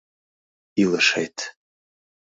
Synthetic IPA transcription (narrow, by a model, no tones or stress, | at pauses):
ilɨʂḛjtʰ